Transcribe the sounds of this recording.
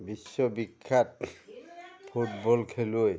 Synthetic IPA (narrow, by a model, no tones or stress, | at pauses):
bisːɔbikʰːat̚ | pʰut̚bɔlkʰeloj